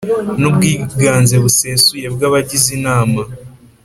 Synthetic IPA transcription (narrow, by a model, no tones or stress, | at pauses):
nub̚ɡiːɡaːnze̞βuse̞suje̞b̚ɡaβaɟizinaːma